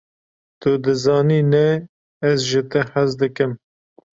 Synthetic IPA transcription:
t̪ʊd̪ɨzɑːniːnɛ | ɛzʒɪt̪ɨħazd̪ɨkɨm

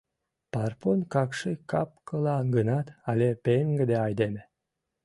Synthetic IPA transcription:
pɑrponkɑkʃikɑp̚kəlɑɡənɑt̪ɑlʲepeŋɡəd̪eɑjd̪eme

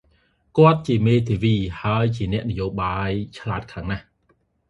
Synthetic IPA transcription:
kŏət̪̚t͡ɕiəmeːt̪ʰiːʋiːhaəjt͡ɕiənɛ̆əʔnəjoːɓaːjt͡ɕʰlaəːt̪̚kʰlaːŋnah

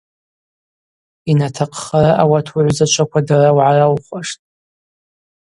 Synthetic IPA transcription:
inatʰaqʰʼχaɾaʔawatʰuʕʷzat͡ʃʷʰakʷʰadarawʕarawχʷaʂtʼ

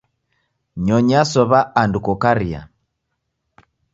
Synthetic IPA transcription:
ɲɔɲasɔβaandukɔkaɾia̰

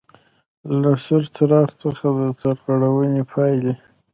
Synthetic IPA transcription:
lasəɾt͡saɾɑɾt͡səxad̪əsaɾɣaɽawənepʰɑjle

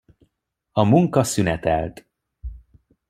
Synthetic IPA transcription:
ɒmuŋkɒsynɛt̪ɛ̰lt̪

